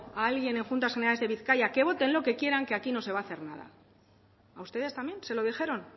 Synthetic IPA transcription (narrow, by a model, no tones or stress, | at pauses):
aalɣje̞ne̞ŋxunt̪asxeneɾalezðe̞β̞iθkajake̞βo̞t̪e̞nlo̞ke̞kje̞ɾaŋke̞akino̞se̞βaːθe̞ɾnað̞a̰ː | ust̪e̞ðe̞st̪amje̞nse̞lo̞ðixe̞ɾo̞n